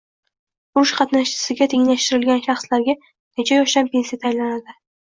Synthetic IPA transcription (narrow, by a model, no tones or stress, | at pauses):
ʊɾʊʃqʰɑt̪naʃt͡ʃɪ̥sɪɡʲat̪ʰeŋlaʃt̪ɪɾɪlɡʲanʃɑχslaɾɡʲa | net͡ʃʰajɒʃd̪ampʲe̞nsijat̪ʰajlanad̪ɪ